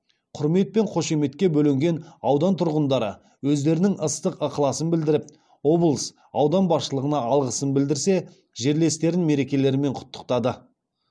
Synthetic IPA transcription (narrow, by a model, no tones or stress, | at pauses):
qʰʊɾme̞t̪̚pe̞ɴqʰo̞ʃe̞me̞t̪kʲe̞bɵlɪŋɡʲe̞nɑwd̪ɑnt̪ʰʊɾʁənd̪ɑɾə | wɵzd̪e̞ɾɪnɪŋʔəst̪əqəqəlˠɑsənbɪld̪ɪɾɪp̚ | o̞blˠəs | ɑwd̪ɑnbɑsʃəlˠəʁənɑɑlˠʁəsənbɪld̪ɪɾse̞ | ʒe̞ɾle̞st̪e̞ɾɪnme̞ɾe̞kʲe̞le̞ɾɪme̞ɴqʰʊ̥t̪ːə̥qt̪ɑd̪ə